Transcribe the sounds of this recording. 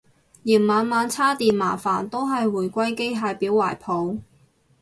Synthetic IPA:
jiː˨˩nmaː˨˧nmaː˨˧nt͡sʰaː˥t̪iː˨nma̰ː˨˩faː˨˩nt̪o˥wɦɐ˨jwuː˨˩jkʷɐ˥jke˥jɦaː˧jpiː˨˥waː˨˩jpʰo˨˧w

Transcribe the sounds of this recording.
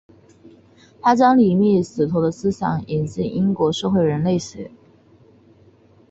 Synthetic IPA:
t̪ʰa˥t͡ɕjɑ˥ŋli˨˩mi˥˩sɹ̩˨˩t̪ʰo˧˥ʊd̪ə˧sɹ̩˥ɕjɑ˨˩˦ŋi˨˩nsi˥˩ʔi˥ŋkwɔ˧˥ʂɤ˥˧xwe˥˩ɪɻə˧˥nle˥˩ɪɕɥɛ̰˨˩˦

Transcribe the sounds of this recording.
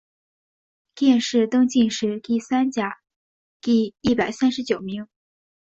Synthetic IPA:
t̪jɛ˥˧nʂɻ̩˥˩t̪ɤ˥ŋt͡ɕi˥˧nʂɻ̩˥˧t̪i˥˩sa˥nt͡ɕja˨˩˦ | t̪i˥˩i˥˩pa˨˩ɪsa˥nʂɻ̩˧˥t͡ɕjo˨˩ʊmi˧˥ŋ

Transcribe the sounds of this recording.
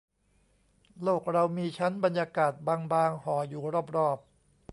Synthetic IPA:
loː˥˩k̚ɾa˧wmiː˧t͡ɕʰa˦˥nba˧njaː˧kaː˨˩t̪̚baː˧ŋbaː˧ŋhɔː˩˦juː˨˩ɾɔː˥˩p̚ɾɔː˥˩p̚

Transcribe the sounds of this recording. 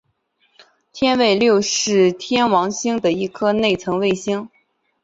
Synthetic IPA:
t̪ʰjɛ˥nwe˥˧ɪljo˥˧ʊʂɻ̩˥˩t̪ʰjɛ˥nwɑ˧˥ŋɕi˥ŋd̪ə˨i˥˩kʰɤ˥ne˥˩ɪt͡sʰɤ˧˥ŋwe˥˩ɪɕi˥ŋ

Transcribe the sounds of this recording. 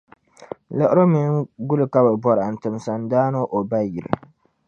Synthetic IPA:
la˨ʔʊ˦ɾo˦mɪ˦ŋɡu˦lɨ˨ka˦ba˨bɔ˦ɾa˨n˨tɨ˨m˨sa˨ndaː˦no˦ʔo˨ba˦ji˨ɾɪ̰˨

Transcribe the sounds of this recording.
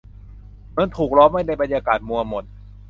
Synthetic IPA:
ma˧˥nt̪ʰuː˨˩k̚ɾɔː˦˥mːha˥˩jna˧˩jba˧njaː˧kaː˨˩t̪̚mu˧ɐmo˨˩t̪̚

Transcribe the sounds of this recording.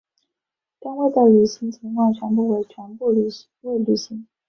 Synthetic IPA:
t̪a˥nwe˥˩ɪd̪ə˨˩ly˨˩ɕi˧˥ŋt͡ɕʰi˧˥ŋkʰwɑ˥˩ŋt͡ɕʰɥɛ˧˥npu˥˩we˧˥ɪt͡ɕʰɥɛ˧˥npu˥˩˨ | we˥˩ɪly˨˩ɕi˧˥ŋ

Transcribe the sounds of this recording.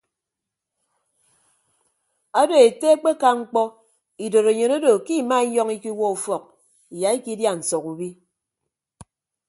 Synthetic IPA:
a˦do˨e˨te˦k͡pe˦ka˦ŋ͡m̩˦k͡pɔ˦ | i˨do˨ɾe˨ɲo˨no˦do˨ki˦˨ma˦i˦ɲɔ˦ŋi˦ki˦wɔ˦u˨fɔ˨k̚ | i˨ja˨i˦ki˦dja˦n̩˨sɔ˨ku˨bi˦

